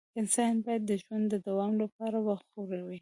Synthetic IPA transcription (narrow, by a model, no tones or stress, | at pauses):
ɪnsɑjnbɑjad̪ːəʒwand̪d̪əd̪awɑmlapɑɾawaxxoɾawi